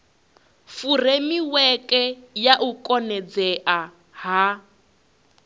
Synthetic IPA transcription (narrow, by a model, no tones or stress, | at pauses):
furemiwɛkʼɛjaʔukʼɔnɛd͡zɛʔa | ɦa